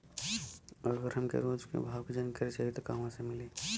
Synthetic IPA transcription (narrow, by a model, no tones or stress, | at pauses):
ɔːɾɡəɾɦɐmkḛɾoːd͡ʒkḛbʱaːwkd͡ʒɐnkɐɾit͡ʃaɦit̪okaːmãsemɪleː